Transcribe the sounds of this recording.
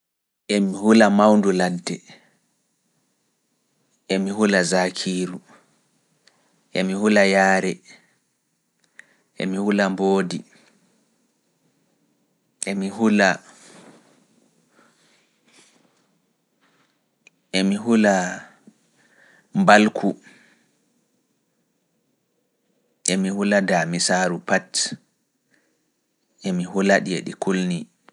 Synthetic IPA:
ʔɛmihulamawnduladːɛ | ʔɛmihulazakʰiːɾu | ʔɛmihulajaːɾɛ | ʔɛ̰mihulamboːdi | ʔɛmiɦula | ʔemiɦula | mbalkʰu | ʔemihuladamisaːɾupat | ʔemiɦulaɗiḛɗikulni

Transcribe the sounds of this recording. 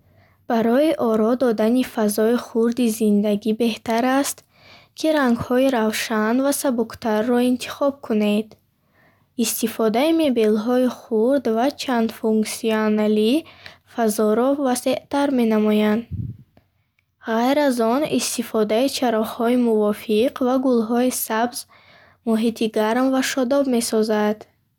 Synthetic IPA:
b̥aɾɔiʔɔɾɔd̪ɔd̪anifazɔiχuɾd̪izind̪aɡibe̞ht̪aɾast̪ | kʰiɾaŋɡhɔiɾavʃanvasabukt̪ʰarːɔint̪ʰi̥χɔb̚kʰuned̪ | ist̪ifɔd̪aime̞be̞lɦɔiχuɾd̪vat͡ʃʰand̪fuŋksionalifazɔɾɔvase̞ʔt̪aɾme̞namɔjand̪ | ʁajɾazɔnḭst̪ifɔd̪ait͡ʃʰaɾɔχhɔimuvɔfiqʰvaɡulɦɔisabz | mɔɦit̪ʰiɡaɾmvaʃɔd̪ɔbme̞sɔzad̪̥

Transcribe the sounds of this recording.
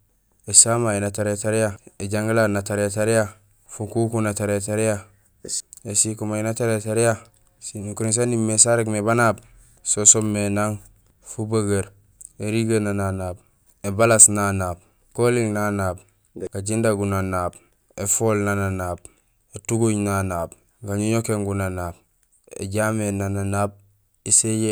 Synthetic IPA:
esamainataɾetaɾijaeɟaŋɡilanataɾataɾija | fukukunataɾetaɾija | esikumainataɾetaɾija | sinukuɾins̬animesaɾekmebanab | sosommːenaŋ | fubaɡeɾ | eɾiɡanananaːb | ebalasnanaːb̚ | kolilnanaːb̚ | ɡ̥aɟindaɡunanaːb | efolnananaːb̚ | etuɡuɲnanaːb | ɡaɲuɲokeŋɡunanaːb̚ | ḛɟamenananaːb̚ | eseje

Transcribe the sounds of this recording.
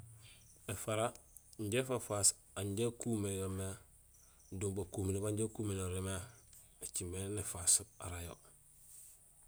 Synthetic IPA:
efaɾa | ɲɟefafas | aɲɟekumejomea | dumbakuːminibaɲɟekumenoɾemea | et͡ʃimenefasa̰ɾajo̰

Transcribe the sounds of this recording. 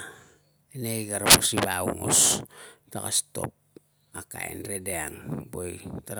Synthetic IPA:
enejɡaɾapuksibauŋo̰stakasto̞p̚ | akaḛnɾedeaŋbojtaɾ

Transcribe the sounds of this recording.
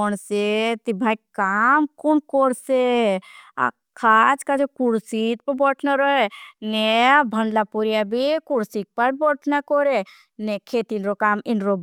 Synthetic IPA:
ɔnset̪ibʱaikamkunkɔɽse | a̰ | kʰat͡ʃkad͡ʒekuɽsit̪̚pəɾbɔʈʰnaɾɔenebʱənɖlapuɾjabʱikuɽsik̚pəɾbɔʈʰnakɔɾe | nekʰet̪inɾokaːmɪnɾob

